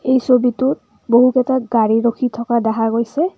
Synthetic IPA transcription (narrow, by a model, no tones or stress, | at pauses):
ejsobitʊt | boɦukɛtaɡaɹiɹokʰitʰɔkadɛɦaɡojsɛ